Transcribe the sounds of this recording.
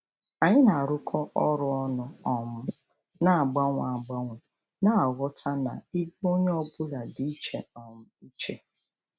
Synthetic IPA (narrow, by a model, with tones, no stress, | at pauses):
a˨ɲɪ˦na˨a˨ɾʊ˦kʰɔ˦ʔɔ˦ɾʊ˦ɔ˦nʊ˦ɔ˨mʊ˦ | na˨a˨ɡ͡ba˦ŋʷ˨a˨ɡ͡ba˦ŋʷʊ˨ | na˦a˨ɣɔ˦tʰa˦na̰˨i˦ɡ͡bo˦ɲe˦ɔ˦ɡʊ˦la˨di˦t͡ʃḛ˦˨ɔ˨m̩˦i˦t͡ʃe˦˨